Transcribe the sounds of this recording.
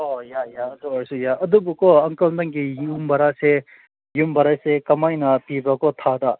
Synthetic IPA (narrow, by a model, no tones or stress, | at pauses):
ɔjajaəd̪uɐɾsujaɐd̪ubukoɐŋkɐld̪ɐŋɡijumbɐɾase | jumbɐɾasekɐmajnɐpibakot̪ʰad̪a